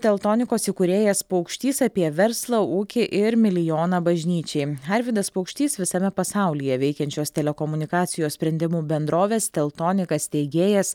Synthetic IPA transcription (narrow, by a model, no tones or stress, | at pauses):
t̪ʲɛlˠt̪oːnʲɪkoːsɪkʊɾʲeːjɛspɐʊkʃʲt̪ʲiːsɑpʲiɛʋʲɛɾslˠɐuːkʲɪʔɪɾmʲɪlʲɪjoːnɑbɐʒʲnʲiːt͡ʃʲɛɪɐɾʲʋʲɪd̪ɐspɔʊkʃʲt̪ʲiːsʋʲɪsɐmʲɛpɐsɑˑʊlʲijɛʋʲɛɪkʲɛnʲt͡ʃʲoːst̪ʲɛlʲɛkɔmʊnʲɪkɑːt̪sʲɪjoːssʲpʲɾʲɛnʲd̪ʲɪmuːbʲɛnd̪ɾoːʋʲeːst̪ʲɛlˠt̪oːnʲɪkɐst̪ʲɛɪɡʲeːjɛs